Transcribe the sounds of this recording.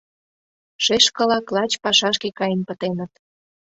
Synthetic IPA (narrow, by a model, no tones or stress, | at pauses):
ʃeʃkə̆lɑklɑt͡ɕpɑʃɑʃkekɑjənpə̆t̪enə̆t̪